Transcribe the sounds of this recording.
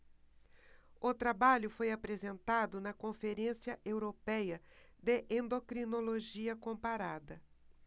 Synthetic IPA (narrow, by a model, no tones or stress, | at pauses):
ʊt̪ɾabaʎʊfojapɾezẽnt̪ad̪ʊnɐkõfeɾẽsjɐʔewɾopɛjɐ | d̪eʔẽnd̪okɾinoloʒiɐkõpaɾad̪ɐ